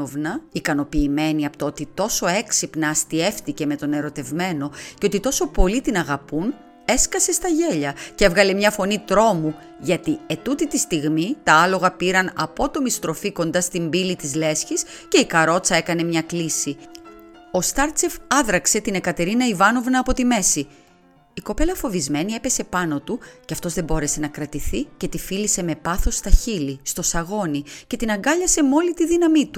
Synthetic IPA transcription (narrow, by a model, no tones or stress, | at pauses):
ovnɐikɐno̞piːme̞niɐpot̪oot̪it̪o̞so̞e̞ksipnɐːst̪ie̞fθice̞me̞t̪o̞ne̞ɾo̞t̪e̞vme̞no̞ceo̞t̪it̪o̞so̞po̞lit̪inɐɣɐpun | e̞skɐse̞st̪ɐʝe̞ʎɐcevɣɐle̞mɲɐfo̞nit̪ɾo̞mu | ʝɐt̪ie̞t̪ut̪it̪ist̪iɣmit̪ɐɐlo̞ɣɐpiɾɐnɐpo̞t̪o̞mist̪ɾo̞fiko̞nd̪ɐst̪imbilit̪izle̞sçisce̞ikɐɾo̞t͡sɐe̞kɐne̞mɲɐklisi | o̞st̪ɐɾt͡se̞fɐðɾɐkse̞t̪ine̞kɐt̪e̞ɾinɐivɐno̞vnɐːpo̞t̪ime̞si | iko̞pe̞lɐfo̞vizme̞nie̞pe̞se̞pɐno̞t̪uceɐft̪o̞zðe̞bo̞ɾe̞se̞nɐkɾɐt̪iθice̞t̪ifilise̞me̞pɐθo̞st̪ɐçilist̪o̞sɐɣo̞nice̞t̪inɐŋɡɐʎɐse̞mo̞lit̪iðinɐmit̪u